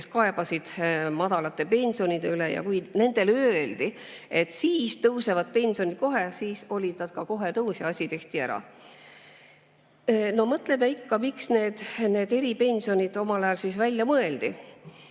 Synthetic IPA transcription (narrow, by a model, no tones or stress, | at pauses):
keskɑe̞bɑsid̪̥mɑd̪̥ɑlɑt̪ːe̞pe̞nʲsio̞nid̪̥eylejɑ̰kujne̞nd̪̥e̞løːld̪̥ie̞t̪ːˑsiːst̪ɤwse̞vɑd̪̥̚pe̞nʲsio̞nit̪̚ko̞ɦe̞siːso̞lʲid̪̥nɑd̪̥̚kɑko̞ɦe̞nɤwsiɑsʲit̪e̞ht̪iæɾɑ̰ | no̞mɤt̪lemeikːɑmiksne̞ːd̪̥ne̞ːd̪e̞ɾipe̞nʲsio̞nʲid̪̥o̞mɑlɑjɑlsisvælʲjɑmɤe̞ld̪i